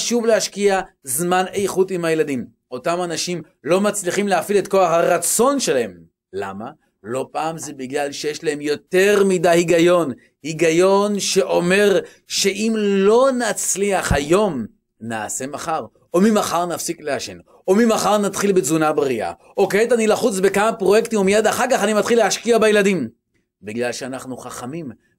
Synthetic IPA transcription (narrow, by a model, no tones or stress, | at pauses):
aʃuvleaʃkiazmanejχutimhajeladim | o̞tamanaʃim | lo̞mat͡sliχimleafiletko̞aχhaʁat͡so̞nʃe̞lahe̞m | la̰ma | lo̞paːmzebiɡlalʃejeʃlahe̞mjo̞teʁmidahiɡajo̞n | hiɡajo̞nʃe̞ʔo̞me̞ʁ | ʃe̞ʔimlo̞nat͡sliaχhajo̞m | naːse̞maχaʁ | omimaχaʁnafsikleaʃḛn | omimaχaʁnat̪χilbezunabʁia̰ | oketanilaχut͡sbekamapʁo̞jekt̪imumijad̪aχaʁkaχanimat̪χileaʃkiabajeladim | biɡlalʃeanaχnuχaχamim